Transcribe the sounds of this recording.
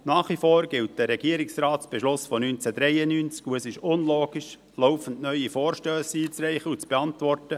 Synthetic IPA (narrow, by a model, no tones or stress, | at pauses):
nɑːχʋifoːɾɡ̥ɪlt̚d̥əɾɛɡ̥iəɾɪksraːtt͡sb̥eʃlʊsfɔnynt͡sædɾɛɪənynt͡skuəsɪʃʊnloːɡiʃ | loʊfən̩dnœʏifoːɾʃtøːsiːt͡srɛɪχəut͡sb̥eɑntvɔrtə